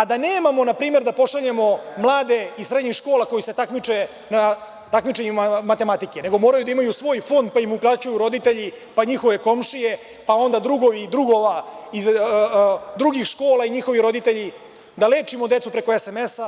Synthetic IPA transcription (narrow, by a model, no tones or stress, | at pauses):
ad̪ane̞ːmamo̞napɾiːme̞ɾd̪apo̞ʂaʎe̞mo̞mlˠaːd̪e̞isɾe̞d̪ɲixʂko̞ːlako̞jise̞t̪akmit͡ʃe | na | t̪akmit͡ʃeɲummat̪e̞mat̪ikene̞ɡo̞moːɾajud̪aimajusʋo̞ːjfo̞nd̪̚paimuplˠaːt͡ɕujuɾo̞d̪it̪e̞ʎi | paɲixo̞ʋe̞ko̞mʂije̞ | pao̞nd̪ad̪ɾuɡo̞ʋid̪ɾuɡo̞ʋaiz | d̪ɾuɡixʃko̞ːlˠaiɲixo̞ʋiɾo̞d̪it̪e̞ʎi | d̪ale̞ːt͡ʃimo̞d̪et̪supɾe̞koesemesa